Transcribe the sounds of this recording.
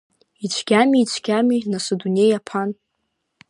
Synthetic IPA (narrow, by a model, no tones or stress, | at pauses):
it͡ʃʷʰɡ̥ʲamiːt͡ʃʷʰɡʲaminasodunʲejapʰan